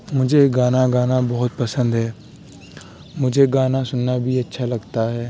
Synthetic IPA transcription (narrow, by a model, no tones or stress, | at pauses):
mʊd͡ʒʱeɡaːnaːɡaːnabɔɦʊt̪̚pəsə̃nd̪ɦɛː | mʊd͡ʒʱeɡaːnasʊnːabʱiːətːʃʰaːlɐɡt̪aɦɛː